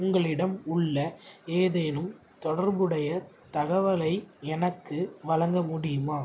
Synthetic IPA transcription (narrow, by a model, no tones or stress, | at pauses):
ʊŋɡɐɭɪɽɐmʊɭːɐeːðɐjnɯm | t̪ɔɽɐɾbɯɽɐjɐ | t̪ɐɣɐʋɐlɐɪɛnɐkːɯʋɐlɐŋɡɐmʊɽɪjɯmaː